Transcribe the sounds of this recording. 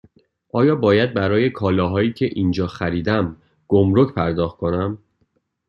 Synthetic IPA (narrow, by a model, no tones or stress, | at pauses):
ʔɒːjɒːbɒːjæd̪̚bæɾɒːje̞kʰɒːlɒːɦɒːiːcʰe̞ʔind͡ʒɒːxæɾiːd̪æm | ɡ̥omɾocpʰæɾd̪ɒːxt̪̚kʰo̞næm